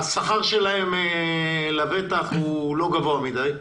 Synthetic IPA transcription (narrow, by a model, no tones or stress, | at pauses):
saχaʁʃelaemelave̞t̪aχulo̞ɡavoamid̪aj